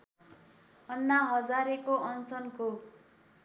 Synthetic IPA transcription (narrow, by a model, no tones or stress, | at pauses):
ʌnːaɦʌd͡zaɾekoʔʌnt͡sʌnko